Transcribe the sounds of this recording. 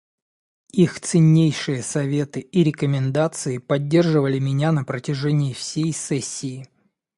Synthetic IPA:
ixt̪sɨnʲːejʂɨjəsɐvʲe̞t̪ɨiɾʲɪkəmʲɪnd̪at̪sɨɪpɐdʲːe̞rʐɨvəlʲɪmʲɪnʲanəpɾətʲɪʐɛnʲɪɪfsʲejsɛsʲːɪː

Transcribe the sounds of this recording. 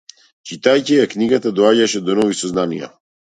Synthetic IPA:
t͡ʃit̪ajcijakniɡat̪ad̪ɔaɟaʃɛd̪ɔnɔvisɔznanija̰

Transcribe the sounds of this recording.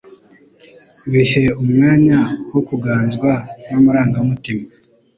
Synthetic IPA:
βiʃe̞umŋaːɲawokuɡaːnzɡwanamaɾaːŋɡaumutima

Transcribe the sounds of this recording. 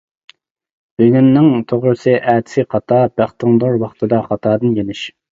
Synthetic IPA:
b̥eɡʲynːɪŋt̪ʰoʁɾɨsɨʔæːt̪ʰɪ̥sɪqɑt̪ʰɑb̥æχt̪ɨŋd̪oɾwɑχt̪ʰɨd̪ɑχɑt̪ʰɑːd̪ɨnjenɪʃ

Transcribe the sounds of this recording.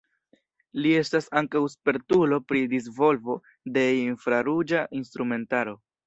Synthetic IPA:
lie̞stasaŋkawspe̞ɾtulo̞pɾidis̬vo̞lvo̞ | de̞infɾaɾud͡ʒaʔinst̪ɾume̞ntaɾo̞

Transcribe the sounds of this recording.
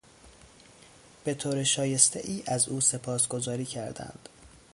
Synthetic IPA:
b̥e̞t̪ʰoːɾeʃɒːje̞st̪ḛʔiːʔæzuːse̞pʰɒːsɡo̞zɒːɾiːcʰæɾd̪æ̰nd̪̥

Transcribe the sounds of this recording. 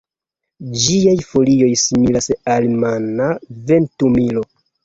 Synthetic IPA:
d͡ʒiajfo̞lio̞jsimilasalmanave̞ntumilo̞

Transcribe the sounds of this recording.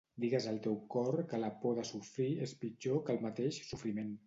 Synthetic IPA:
d̪iɣəzəlˠt̪ewkɔɾkələpɔðəsufɾiespit͡ʃokəlˠmət̪eʃsufɾimen

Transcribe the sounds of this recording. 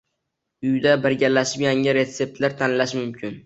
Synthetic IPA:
ʊjd̪abɪɾɡʲaɾlaʃɪpjaŋɪɾe̞t̪se̞p̚t̪ʰlaɾt̪ʰanlaʃmʊmkʲʰɪn

